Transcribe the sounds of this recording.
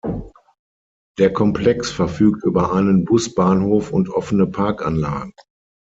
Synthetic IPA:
d̥eːɐkʰɔmpʰlɛksfɛɐfyːk̚tʔyːbɐʔaɪnənbʊsb̥aːnhoːfʊntʔɔfənəpʰaɐkanla̰ːɡŋ̩

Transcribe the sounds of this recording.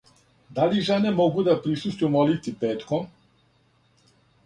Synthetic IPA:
d̪aliʒenemo̞ɡud̪apɾisust̪jumolit̪ipeːt̪kom

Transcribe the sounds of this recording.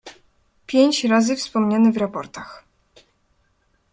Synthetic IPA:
pʲjeɲt͡ɕɾazɘfspɔmɲanɛvɾapɔ̰ɾt̪ax

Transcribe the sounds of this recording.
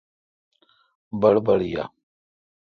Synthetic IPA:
balbaɽja̰

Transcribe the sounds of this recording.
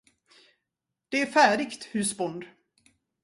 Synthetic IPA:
d̪̥ɛæɾfæːɖɪkt̪hʉ̟ːsbɔnd̪

